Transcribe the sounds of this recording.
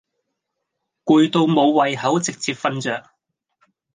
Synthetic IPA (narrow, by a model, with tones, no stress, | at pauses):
kuː˨˧jt̪o˧wmo˨˧wːɐ˨jɦɐ˨˥wt͡sɪ˨k̚t͡siː˧p̚fɐ˥nt͡ʃœː˨k̚